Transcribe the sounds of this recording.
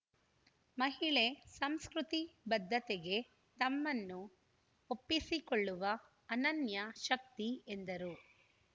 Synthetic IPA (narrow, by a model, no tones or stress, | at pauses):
mɐɦiɭesɐmskɾut̪ibɐd̪ʱːɐt̪eɡe̞ | t̪ɐmːɐnːu | opːisikoɭːuʋɐː | nɐnjɐʃɐk̚t̪iend̪ɐɾu